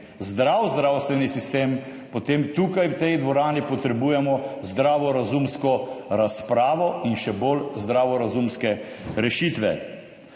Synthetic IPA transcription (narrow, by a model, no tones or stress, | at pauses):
zd̪ɾawzd̪ɾaːwst̪ʋɛnisist̪eːm | pɔt̪emt̪ukajwt̪ɛjd̪ʋɔɾaːnipɔt̪ɾɛbuːjɛmɔzd̪ɾaːʋɔɾazumskɔɾaspɾaːʋɔinʃɛbolzd̪ɾaːʋɔɾazumskɛ | ɾɛʃit̪ʋɛ̰